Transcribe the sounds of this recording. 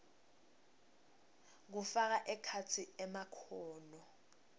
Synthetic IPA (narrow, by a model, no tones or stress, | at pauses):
k̬ufak̬aʔɛkʰat͡sʰiɛmakʰɔːnɔ